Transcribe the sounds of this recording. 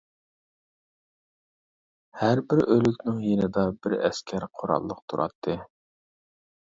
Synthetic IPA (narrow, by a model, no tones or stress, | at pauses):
hæɾbɪɾølykʲnɪŋjenɪd̪ɑbɪɾɛ̰skʲʰæɾqʰʊɾɑ̰lˠːəq̚t̪ʰuɾʔɑ̰t̪ʰːɨ